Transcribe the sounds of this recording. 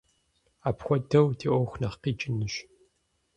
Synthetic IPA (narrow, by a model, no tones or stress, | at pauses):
aːpxʷɔdɐwdʰiʔʷɔxʷnɐχqiːt͡ʃʼɪnɨɕ